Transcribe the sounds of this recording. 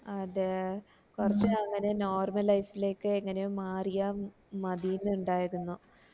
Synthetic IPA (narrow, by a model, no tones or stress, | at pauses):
ɐðɨ | kurɐt͡ɕːɨaːŋːɐneno̞ːrmɐlːɐjfile̞ːkːɨeŋːɐnejumːaːrija | mɐðijinːuɳɖaːjiɾunːu